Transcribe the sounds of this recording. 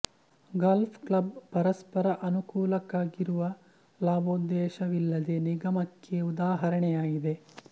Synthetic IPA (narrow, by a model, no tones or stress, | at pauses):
ɡaːlpʰklɐbpɐɾɐspɐɾɐʔɐnukuːlɐkaːɡiɾuʋɐ | laːboːd̪ːɛːʃɐʋilːɐd̪e̞niɡɐmɐkʰːeud̪aːɦɐɾɐɳɛjaːɡid̪e̞